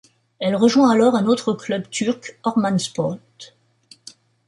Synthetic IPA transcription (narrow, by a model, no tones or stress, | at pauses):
ɛlʁəʒwɛ̃alɔʁɛ̃not̪χəklœbt̪ʰyʁkɔʁmanspɔʁt̪